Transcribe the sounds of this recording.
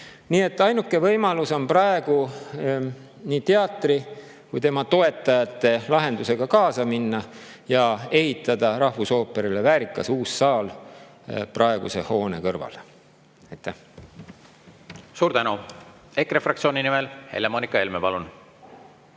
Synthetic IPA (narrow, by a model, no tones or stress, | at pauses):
niːe̞t̪ːˑɑjnukːˑe̞vɤjmɑluso̞nprɑe̞ɡ̥u | niːt̪eɑt̪ˑri | kujt̪e̞mɑt̪o̞e̞t̪ːˑɑjɑt̪ˑːe̞lɑɦe̞nd̪̥use̞ɡ̥ɑkɑːsɑminːɑ | jɑe̞hit̪ːˑɑd̪̥ɑɾɑhvuso̞ːpe̞ɾilevæːɾikːˑɑsuːsːɑːl | prɑe̞ɡ̥use̞ho̞ːne̞̰kɤrvɑ̰l | ɑjt̪ːæh | suːɾt̪ænu | ekːrefrɑkt̪sioːninimelhḛlemoːnikːˑɑelmepɑlun